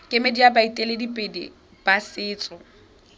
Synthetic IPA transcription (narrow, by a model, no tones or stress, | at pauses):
kʼɪmediabaitʼeledipʼedḭ | b̥asɪːt͡sʼɔ